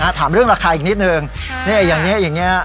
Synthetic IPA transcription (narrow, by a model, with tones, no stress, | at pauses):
a˦˥t̪ʰaː˩˦mɾɯ˥˩əŋɾaː˧kʰaː˧ʔiː˨˩k̚ni˦˥t̪̚nɯː˧ŋ | na˥˩ʔa˧˩jaː˨˩ŋni˦˥ɐʔjaː˨˩ŋːi˦˥ɐ